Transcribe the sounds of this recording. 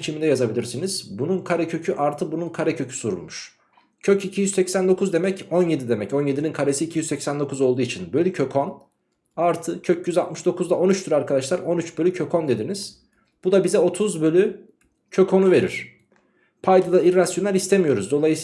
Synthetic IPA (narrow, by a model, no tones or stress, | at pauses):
t͡ʃʰimind̪ɛjazabilʲiɾsiniz̥bununkʰaɾɛcʰø̞cʰyʔaɾt̪ʰɯbununkʰaɾɛcʰø̞cʰy̥suɾṵlˠmuʃ | cʰøcicʰijyzsɛcsænd̪o̞kʰuzd̪e̞mɛco̞nje̞d̪id̪e̞mɛco̞njed̪ininkʰaɾesiːcʰijyzsɛcsænd̪o̞kuzo̞lˠd̪uːit͡ʃʰinbø̞lʲycʰø̞kʰon | aɾt̪ʰɯcʰøcʰjyzalt̪mɯʃd̪o̞kʰuzd̪ao̞nyt͡ʃt̪ʰyɾaɾkʰad̪aʃlˠaɾo̞nyt͡ʃbølʲycʰø̞kʰo̞nd̪e̞d̪iniz̥ | b̥ud̪abizɛo̞t̪ʰuzbø̞lʲy | cʰø̞kʰo̞nuve̞ɾiɾ̥ | pʰajd̪ad̪aiɾːasjo̞naɾist̪ʰemijo̞ɾuzd̪o̞lˠajɯs